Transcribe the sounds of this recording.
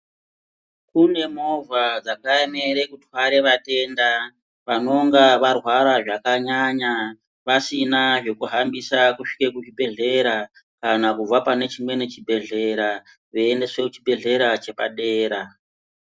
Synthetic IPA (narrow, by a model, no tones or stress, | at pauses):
kune̞mo̞vʱad͡zakaemeɾe̞kutwaɾe̞ʋate̞nda | ʋano̞ŋɡaʋarwaɾaʐakaɲaɲa | ʋasinaʐe̞kuɦambisakuʂi̥kekut͡ʃibʱe̞ɮe̞ɾa | kanakuvapane̞t͡ʃimwe̞ne̞t͡ʃibʱe̞ɮe̞ɾa | ʋeːnde̞swe̞kut͡ʃibʱe̞ɮe̞ɾat͡ʃe̞pa̰ɗe̞ːɾa